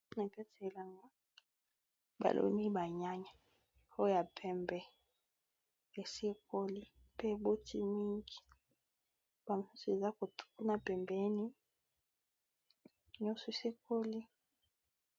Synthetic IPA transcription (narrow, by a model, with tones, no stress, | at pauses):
na˨kɛ˦te˨la˨ŋɡa˦ | ba̰˨lʔo̰˨˦ni˦ba˨ɲa˦ɲa˨ | ho˦ja˨pʰɛ˦mbɛ˨ | e˨se˦ko˦li˦ | pe˦˨bo˦ti˦mi˦ŋɡi˨ | ba˨m˨su˦si˨e˨za˦ko˨tu̥˨ku˦na˨pɛ˨mbe˦ni˦˨ | ɲɔ˦se˨˦se˦ko˦li˦